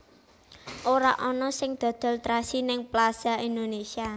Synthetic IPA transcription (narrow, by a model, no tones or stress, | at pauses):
ʔoɾa̰ʔɔnɔsɪŋd̪̥ɔ̤d̪̥ɔ̤lt̪ɾasinɪŋplasaind̪onesia